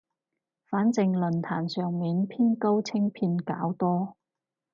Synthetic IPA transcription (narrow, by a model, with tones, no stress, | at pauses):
faː˨˥nt͡sɪ˨˧ŋlɵ˨nt̪ʰaː˨˩nsœː˨ŋmiː˨˧npʰiː˥nko˥wt͡sʰɪ˥ŋpʰiː˧nka̰ː˨˥wt̪ɔː˥